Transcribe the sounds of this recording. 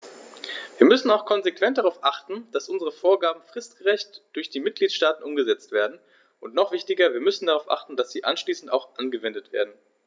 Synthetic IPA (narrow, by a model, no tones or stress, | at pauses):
viːɐmʏsn̩aʊxkʰɔnzekv̥ɛntd̥aʁaʊfʔaχtn̩d̥asʔʊnzəʁəfoːɐɡaːbm̩fʁ̥ɪstɡ̥əʁɛçtd̥ʊɐçd̥iːmɪt̚ɡ̥liːtʃtaːtn̩ʔʊmɡəzɛt͡stv̥eːɐdn̩ | ʔʊntnɔχv̥ɪçtɪɡɐviːɐmʏsn̩daʁaʊfʔa̰χtn̩d̥asz̥iːʔa̰nʃliːsn̩ta̰ʊxʔanɡəvɛndətv̥ḛːɐdn̩